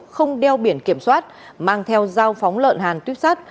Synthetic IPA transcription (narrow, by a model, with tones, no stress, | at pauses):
xə˧wŋ͡mɗɛ˧wɓi˧˩ənki˧˩əmswaː˦˥t̚ | maː˧ŋt̪ʰɛ˧wzaː˧wfɔ˨˦wŋ͡mlə̰ː˧˨nɦaː˨˩nt̪wi˦˥ət̚saː˦˥t̚